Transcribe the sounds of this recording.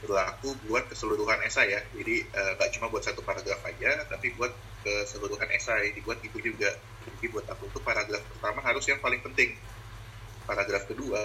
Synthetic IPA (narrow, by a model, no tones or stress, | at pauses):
bərlakubuat̪̚kəsəluɾuɦanesajad͡ʒadiəːŋɡaʔt͡ʃumabuat̪sat̪upaɾaɡɾafad͡ʒat̪apibuat̪̚ | kəsəluɾuɦanʔḛsaadibuat̪̚ɡit̪ud͡ʒuɡa | ɡibuat̪akut̪upaɾaɡɾafpərt̪amaɦaɾʊsjaŋpalɪŋpənt̪ɪŋ | paɾaɡɾafkədua